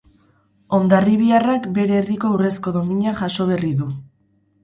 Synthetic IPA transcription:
o̞nd̪ariβ̞iarakbe̞ɾeːriko̞ure̞sko̞ðo̞miɲaʝaso̞β̞e̞riðu

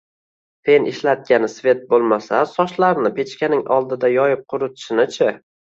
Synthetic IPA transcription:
t̪ʰe̞nɪʃlat̪̚ɡʲanɪsvʲe̞t̪̚bolˠmasasɒʃlaɾnɪpʰe̞t͡ʃkʲanɪŋɒlˠd̪ɪd̪ajɒjɪp̚qʰʊɾʊt̪ʰɪ̥ʃɪnɪt͡ʃʰɪ

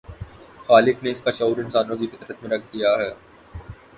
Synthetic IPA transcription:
xaːlɪkneɪskaʃɐuːɾɪnsaːnõk̬ifɪt̪ɾət̪mẽɾɐkʰd̪ijaɦɛː | t

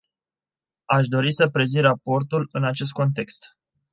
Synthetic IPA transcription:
aʃ̬d̪o̞ɾisəpɾe̞zirapo̞rt̪ulɨnat͡ʃe̞s̬t̪̚ko̞nt̪e̞kst̪

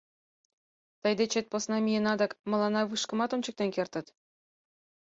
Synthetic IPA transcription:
t̪ɑjd̪et͡ɕet̪̚ʲposnɑmʲijenɑd̪ɑ̆kmɤ̆lˠɑnɑʋɯʂkɤ̆mɑt̪omʲt͡ɕɤ̆k̚t̪enʲkʲerʲt̪ʲɘ̆t̪ʲ

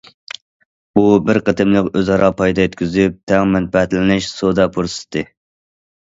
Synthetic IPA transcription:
bubɪɾqət̪ɨmlˠɨkøzɑɾɑːpʰɑjd̪ɑjet̪ʲkʲʰyzyp̚t̪ʰɛŋmɛn̚pɛt̪lɪnɪʃsod̪ɑpʰuɾsɨ̥t̪ʰɨ

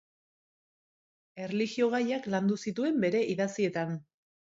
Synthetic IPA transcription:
e̞reliɣio̞ɣ̞ajakland̪usit̪ue̞mbe̞ɾe̞ʔiðasie̞t̪an

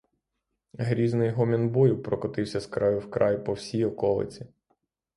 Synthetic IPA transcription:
ɦɾʲiznɪjɦɔmʲɛnbɔjɪwpɾɔkɔt̪ɪwsʲɐskɾɑjʊwkɾɑjpɔwsʲijɔkɔlˠɪ̰t͡sʲi

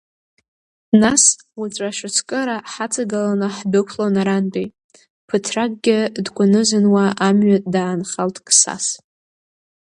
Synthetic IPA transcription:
nas | wat͡sʷʼaʃɨt͡sʰkʼɨɾaħat͡sʰʼaɡalanɨħbɨkʷʰlonaɾanbʼi | pʰɨtʰrakɡ̚ʼɡʲɪdɡʷʼʊnɨzɨnwaʔamɥatʼdaːnχaltʰʼkʼsa̰s

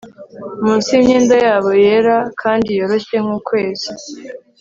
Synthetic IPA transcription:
muːnsimɲeːndajaːβo̞je̞ɾakʰaːndijo̞ɾoçeŋ̥uːkwe̞ːzi

